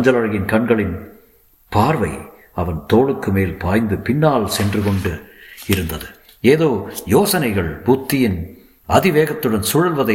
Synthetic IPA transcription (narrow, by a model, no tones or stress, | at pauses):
ɲd͡ʒɐlɐɻɐjɪnkɐɳɡɐɭɪn | paːɾʋɐɪ | ɐʋɐnt̪oːɭɯkːɯmeːlpaːjnd̪ɯpɪnːaːlsɛndrɯkɔɳɖɯɪɾɯnd̪ɐðɯ | eːðoːjoːsɐnɐɪɣɐɭbuːt̪ːɪjɪn | ɐðɪʋeːɣɐt̪ːɯɽɐnsʊɻɐlʋɐðɐ